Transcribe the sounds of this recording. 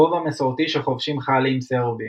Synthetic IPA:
ovamesoʁt̪iʃeχovʃimχalimseʁobi

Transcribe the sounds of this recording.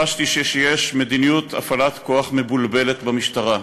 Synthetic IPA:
aʃtiʃeʃejeʃme̞d̪inijut̪ʰa̰falat̪ko̞aχme̞bulbe̞le̞t̪bamiʃtaʁa

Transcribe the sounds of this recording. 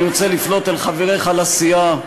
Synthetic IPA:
ot͡se̞liflo̞t̪elχaveʁejχalasija

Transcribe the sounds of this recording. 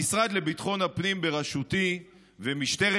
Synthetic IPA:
isʁad̪le̞bit̪χo̞nhapnimbeʁaʃut̪i | vemiʃt̪e̞ʁe

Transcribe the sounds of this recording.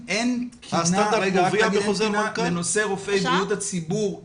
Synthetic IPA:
ʔentkʰiasnand̪aɾeɡaviaɡbeozenakaenoseʁofejbijut̪at͡sibuʁ

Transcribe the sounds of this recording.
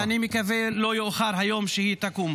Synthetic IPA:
animikavelojoʔχaɾɦajo̞mʃehit̪akum

